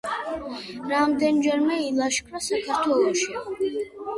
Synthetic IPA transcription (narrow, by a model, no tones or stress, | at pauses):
ɾamd̪ɛnd͡ʒɛɾmɛilˠaʃkʰɾasakʰaɾt̪ʰwɛlˠɔʃi